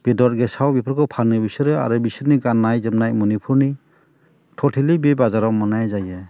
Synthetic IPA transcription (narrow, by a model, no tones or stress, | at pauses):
b̥edɔt̚ɡesawbipʰɾkʰɯpʰanɯbisɯɾɯa̰ɾɯbisɯɾniɡanːajzɯmnajmunipʰuɾni | tʰɔtʰilibebazaɾawmɔnajzaja